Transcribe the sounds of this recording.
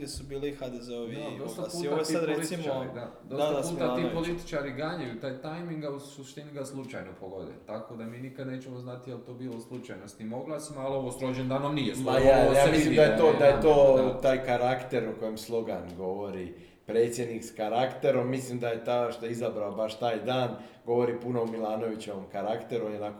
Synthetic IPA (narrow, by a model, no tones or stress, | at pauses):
esubiːlixad̪ezeoʋid̪oosɡ̪t̪aasuioojsad̪ɾesimod̪ad̪oad̪d̪ausːaaiapolit̪i̥t͡ʃaːɾiɡaɲajut̪aːjt̪ajmiŋɡausuʃt̪iːniɡaslˠut͡ʃa̰jnopoɡo̞d̪ḛt̪akod̪amiːnikad̪neːt͡ʃemoznat̪ijelt̪oːbiːloslˠut͡ʃajnost̪imoɡlˠasimaloʋosɾod͡ʒend̪aːnomnijesajajaːmislimd̪ajet̪od̪ajet̪oːt̪aːjkaɾakt̪e̞ɾuko̞jemslˠo̞ɡanɡo̞ʋo̞ɾi | pɾe̞t̪sje̞d̪nikskaɾakt̪e̞ɾo̞mːislimd̪ajet̪aʃt̪oeizabɾaobaʃt̪aːjd̪aːn | ɡo̞ʋo̞ɾipuno̞umilˠaːno̞ʋit͡ɕoʋomkaɾakt̪e̞ɾuonjeonako